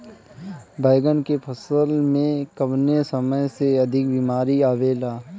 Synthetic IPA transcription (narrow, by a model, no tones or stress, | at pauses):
bəɪɡənkepʰɐsəlmẽkəbnesɐməjseɐd̪ʱɪk̚biːmaːɾiaːʋeːlaː